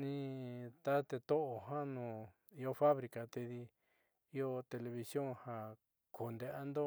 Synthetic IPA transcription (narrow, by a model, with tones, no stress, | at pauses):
nĩ˧t̪a˦t̪e˧t̪o˦ʔo˨ɦã˦nũː˨ | i˧o˧fa˦βɾi˨˧ka˨t̪e˧ði˧ | i˦o˧t̪e˧le˧βi˧sjõ˦˨hã˧ | ko˨nd̪e˧ʔa˦nd̪o˦